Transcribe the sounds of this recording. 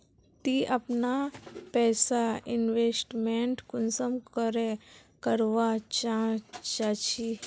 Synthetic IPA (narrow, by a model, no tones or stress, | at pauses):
t̪iʔɐpnapɛːsaɪnʋesʈmẽɳʈkʊnsəmkəɾekəɾʋat͡ʃat͡ʃat͡ʃʰi